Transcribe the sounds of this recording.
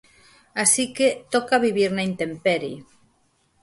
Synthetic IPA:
asiket̪okaβiβiɾnaint̪empeɾi

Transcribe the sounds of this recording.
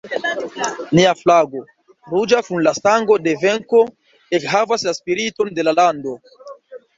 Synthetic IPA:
niaflaɡo̞ | ɾud͡ʒakunlastaŋɡo̞de̞ve̞ŋko̞ | e̞kɦavaslaspiɾito̞nde̞lalando̞

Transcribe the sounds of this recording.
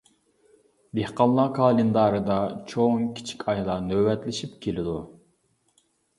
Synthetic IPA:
d̪ehqɑnˠlˠɑkʰɑːlˠɨnd̪ɑːɾɨd̪ɑt͡ʃʰoŋkʲʰi̥t͡ʃʰi̥kʲʰɑjlˠɑnøwɛt̪lɪʃipkʲʰelɪd̪u

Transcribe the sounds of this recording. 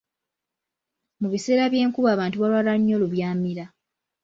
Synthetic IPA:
muβise̞ːɾaβje̞ːŋkuβaːβaːntuβalwaːlaɲːo̞luβjaːmiɾa

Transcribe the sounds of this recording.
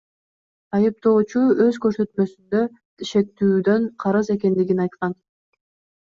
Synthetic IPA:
ɑjɯp̚t̪o̞ːt͡ʃuø̞zkø̞ɾsø̞t̪mø̞synd̪ø̞ | ʃe̞t̪ːyːd̪ø̞ɴqʰɑɾɯze̞ke̞nd̪iɡinɑjt̪qɑn

